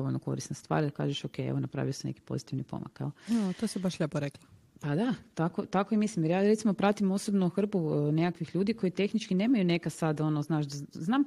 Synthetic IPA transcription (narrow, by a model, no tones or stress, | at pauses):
d̪ooʎnoko̞̰ɾisnest̪ʋa̰ːɾd̪aka̰ːʒeʃokejḛʋonapɾa̰ʋijoseneki̥po̞̰zit̪iʋnipo̰ma̰kḛoat̪osibaʃʎʲepoɾekla | pad̪at̪akot̪akojemislimjeɾjaːɾe̞t̪simo̞pɾat̪imo̞sobnoxr̩pune̞kakʋixʎuːd̪iko̞jit̪e̞xnit͡ʃkine̞ːmajune̞kasad̪o̞noznaːʃd̪aznaːm